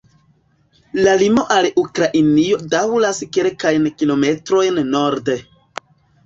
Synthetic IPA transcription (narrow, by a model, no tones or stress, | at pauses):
lalimo̞ʔalukɾaʔinio̞dawlaskelkajnkilo̞me̞tɾo̞jnːo̞ɾde̞